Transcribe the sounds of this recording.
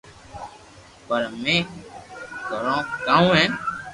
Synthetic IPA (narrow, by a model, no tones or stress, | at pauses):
pəɾmẽː | ɡʱəɾõːkãːũːɦẽː